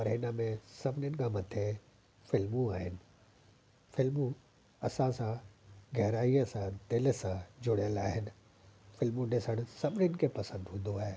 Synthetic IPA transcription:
pɐɾɦɪnəmẽsɐbʱɪnənɪ̆kʰãmɐt̪ʰe | fɪlmũaːɦɪnɪ̆ | fɪlmũ | ɐsãsãɡɛɦɾaːiəsãd̪ɪl̆sãd͡ʑʊɽjəlaːɦɪnɪ̆ | fɪlmũnɪsəɽ̃sɐbʱɪnənɪ̆kʰepɐsə̃nd̪ɦũːn̆d̪oaːɦeː

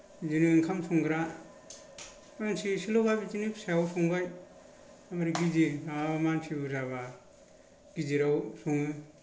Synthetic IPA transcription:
d͡ʒiniɯŋkʰamsʰuŋɡɾa | mansisilɔɡabid͡ʒinipʰseawsʰɔŋbaj | amaɾiɡiziamansibuzaβa | ɡ̥iziɾawsʰuŋɯ

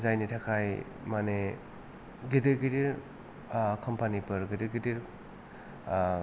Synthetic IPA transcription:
zajnitʰakʰaj | mane | ɡidiɾɡidiɾ | kʰɔmpanipɐɾɡidiɾɡidiɾ

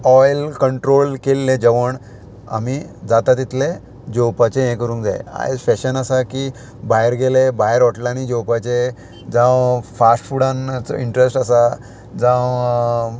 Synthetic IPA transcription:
ɔjlkəɳʈɾolkelːẽd͡ʑeʋəɳ | a̰miːd͡zat̪at̪it̪ʰle | d͡ʑowpat͡ɕẽẽkəɾuːŋkd͡zaj̰a̰jd͡zfɛɕənasakiː | baɦeɾɡelebaeɾɔʈlañid͡ʑowpat͡ɕe | d͡zãʋfasʈfuɽãnt͡sɔ̰iɳʈɾesʈəsa | d͡zãʋ

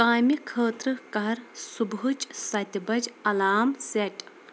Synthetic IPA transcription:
kaːmikʰəːt̪ɾɨkɐɐɾsubɦut͡ʃsɐt̪ʲbɐd͡ʒɐlaːmseʈ

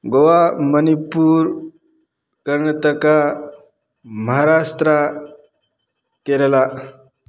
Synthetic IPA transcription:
ɡoʋamənipuːɾ | kəɾɳət̪əka | məɦaɾast̪ɾa | keɾla

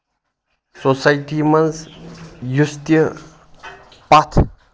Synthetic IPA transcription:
sosajʈimɐns | just̪ə | pat̪ʰ

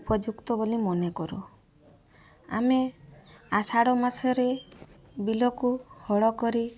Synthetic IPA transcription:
pɾɔd͡ʒukt̪ɔbolimɔnekɔɾu | a̰me | asaɽɔmasɔɾe | bilɔkuhɔɭɔkɔɾi

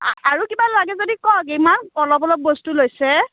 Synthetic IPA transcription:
a̰aɹukibalaɡɛzodikɔk̬imankɔlɔbɔlɔk̚bostulojsɛ

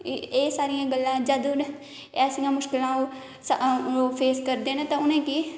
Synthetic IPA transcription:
eːsaːɾijãːɡəlːãːd͡ʒəd̪on | ɛːsijãːmʊʃkɪlãːoː | soːpʰeːskəɾd̪eːnet̪ãːʊnẽːkiː

